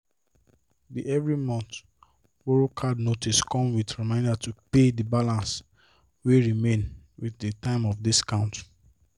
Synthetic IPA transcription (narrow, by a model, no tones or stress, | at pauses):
biʔɛvɹimɔ̃nt | woɹokʰadnotiskʰɔ̃mwidɹimãɪ̃ndatupedibalãns | weɹimẽn | wiθdətãɪ̃mɔfdiskãʊ̃nt